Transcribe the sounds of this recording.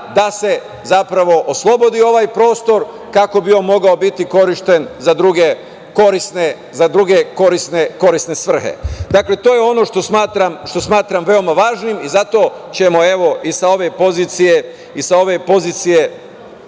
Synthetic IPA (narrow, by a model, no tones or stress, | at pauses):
d̪ase̞ | zapɾaʋo̞ʔoslˠo̞bo̞d̪io̞ʋajpɾo̞ːst̪o̞ɾ | kako̞bio̞mo̞ɡaobit̪iko̞ɾiʃt̪e̞nzad̪ɾuɡe | ko̞ɾisne | zad̪ɾuɡe̞ko̞ɾisne̞ko̞ɾisne̞sʋr̩hḛd̪akle̞t̪oːjeo̞no̞ʃt̪osmaːt̪ɾamʃt̪o̞smaːt̪ɾamʋe̞o̞maʋaːʒnimizat̪o̞t͡ɕe̞moe̞ʋo̞ʔisao̞ʋe̞po̞zit̪sije̞ | isao̞ʋepo̞ziːt̪sije̞